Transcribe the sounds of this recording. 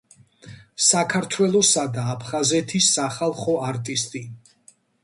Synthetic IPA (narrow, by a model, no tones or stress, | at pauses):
sakʰaɾt̪ʰwɛlˠɔsad̪aːpʰχazɛt̪ʰisːaχalˠχɔaɾt̪ʼist̪ʼi